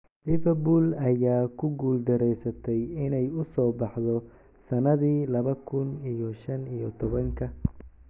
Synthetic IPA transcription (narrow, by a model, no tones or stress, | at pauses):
lɪvɛbuːlɐjaːkʰʊɡuːld̪ɐɾɛjsɐt̪ʰɛjɪnɛjʊsɔːbɑħðɔ | sɐnɐðiːlɐβɐkʰʊnijɔʃɐnijɔt̪ʰɔβɐŋkʰɐ